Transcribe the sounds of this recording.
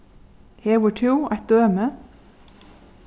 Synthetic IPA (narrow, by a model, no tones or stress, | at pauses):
hewəʈʰuːa̰t̪̚d̪̥øːmə